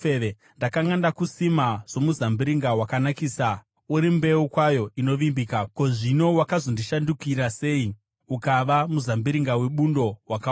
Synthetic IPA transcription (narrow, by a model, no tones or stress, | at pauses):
ee | ndakaŋandakusimaʐ̥o̞muzambiɾiŋɡawakanakiːsa | uɾimbe̞ukwajo̞ʔino̞ʋimbikako̞ʐino̞wakazondiʃandukiɾase̞i | ukaʋamuzambiɾiŋɡawe̞ɓundo̞waka